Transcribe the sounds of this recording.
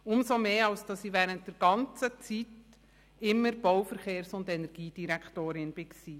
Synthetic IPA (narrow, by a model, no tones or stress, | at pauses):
ʊmsomeːɑlsd̥ɑsiʋɛːɾənt̚d̥ɛɾɡ̥ɑnt͡sət͡sit | ɪmːəɾb̥ɔwfəɾχeːɾsʊndɛnɛɾɡ̥iːd̥iɾɛkʰtoːɾɪnb̥ɪksiː